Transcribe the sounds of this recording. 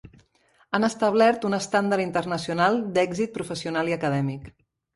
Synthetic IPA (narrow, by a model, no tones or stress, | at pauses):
anəst̪əβlɛɾt̪unəst̪and̪əɾint̪ərnəsiunalˠd̪ɛɡzit̪̚pɾufəsiunaliəkəðɛmik